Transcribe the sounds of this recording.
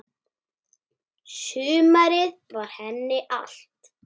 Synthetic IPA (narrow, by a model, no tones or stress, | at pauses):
sʏːmaɾɪðvaɾ̥hɛnːɪʔa̰l̥t̪